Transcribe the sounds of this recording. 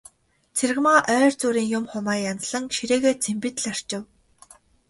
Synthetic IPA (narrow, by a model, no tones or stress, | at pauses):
t͡sʰerɣmaːʔœːrt͡suːɾiːŋjʊmχʊmaːjant͡sɮə̆ŋʃiɾeːɣeːt͡sʰempĭt̪̆ɮar̥t͡ɕɪ̆w